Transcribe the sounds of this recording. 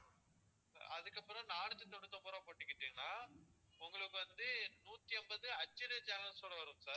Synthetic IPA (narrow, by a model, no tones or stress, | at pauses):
sa̰ːɾɐðɯkːɐpːɯɾɐ̃naːɳɯt̪ːɯt̪ːɔɳɯt̪ːɐpʊɾɐ̃poːʈːɯkːɪʈːiːŋɡɐnaː | ʊŋɡɐɭɯkːɯʋɐnd̪ɯnuːt̪ːiɛmbɐðɯɐt͡ʃːɪned͡ʒaːŋɐnɯsɔlːɐʋɐɾɯmsaːɾ